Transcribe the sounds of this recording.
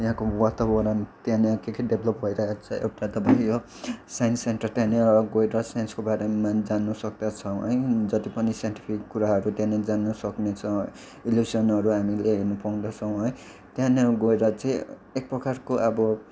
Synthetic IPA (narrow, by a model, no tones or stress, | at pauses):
jɦãkowat̪abʌɾʌnt̪jãneakekʰiɖebʱlʌp̚bʱʌiɾʌɦekt͡sʰʌewʈat̪ʌpãĩjo | sajnsenʈʌrt̪jãneɡʌeɾʌsajnskobaɾemad͡zanːʌsʌk̚d̪at͡sʰʌɦʌ̰j̃d͡zʌt̪ipʌnisaẽʈi̥pʰikːuɾaɦʌɾut̪jãned͡zanːʌsʌknet͡sʰʌ | iljusʌnʌɾuɦamileɦinupaũd̪at͡sʰʌw̃ɦʌj̃ | t̪jãneɡʌeɾʌt͡sãĩ | ek̚prʌkarkoʔʌbʌ